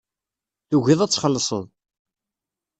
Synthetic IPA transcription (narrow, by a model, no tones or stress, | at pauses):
θuʝiðˤæt͡sːχəlːəsˤəðˤ